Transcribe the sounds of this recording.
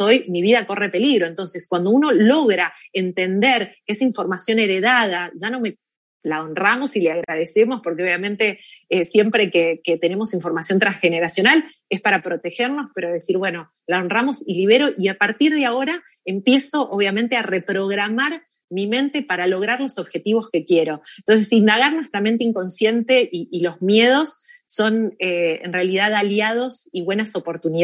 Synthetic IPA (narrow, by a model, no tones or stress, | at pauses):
ojmiβiðako̞re̞pe̞liɣɾo̞e̞nt̪o̞nse̞skwand̪o̞uno̞lo̞ɣɾaent̪e̞nd̪eɾkeesiɱfo̞ɾmasjone̞ɾe̞ðað̞aʒano̞me̞ | laonramo̞sileaɣɾaðe̞se̞mo̞spo̞ɾkeo̞βjamẽ̞nt̪e̞sje̞mpɾe̞keket̪e̞ne̞mo̞siɱfo̞ɾmasjont̪ɾaŋsxe̞ne̞ɾasjo̞nal | e̞spaɾapɾo̞t̪e̞xeɾno̞speɾoðe̞siɾβwe̞no̞ | laonramo̞siliβ̞e̞ɾo̞ʔiapaɾt̪iɾð̞eaoɾa | empje̞so̞ʔoβ̞jament̪eare̞pɾo̞ɣɾamaɾ | mimẽ̞nt̪epaɾalo̞ɣ̞ɾaɾlo̞so̞βxe̞t̪iβo̞ske̞kje̞ɾo̞nt̪o̞ns̬esind̪aɣ̞aɾnwe̞st̪ɾame̞nt̪̬eiŋko̞nsje̞nt̪e̞ʔiʔːlo̞zmje̞ð̞o̞sː | o̞neḛnrealið̞aðaljað̞o̞siβwe̞naso̞po̞ɾt̪uni